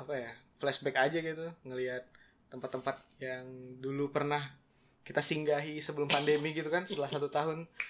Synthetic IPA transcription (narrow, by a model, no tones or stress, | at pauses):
apajaflɛsbɛkad͡ʒaɡit̪uŋəliat̪̚ː | əmpat̪ːəmpat̪̚jaŋdulupərnah | kit̪asiŋɡaɦisəbəlʊmpandemiɡit̪ukansət̪əlasat̪ut̪aɦʊn